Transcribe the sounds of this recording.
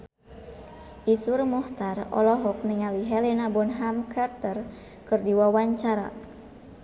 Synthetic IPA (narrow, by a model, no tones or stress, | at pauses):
ʔisurmɔht̪arɔ̰lɔɦɔk̚niŋaliɦɛlɛnabɔnɦamkʰart̪ər | kɨrdiwawaɲt͡ʃaɾa̰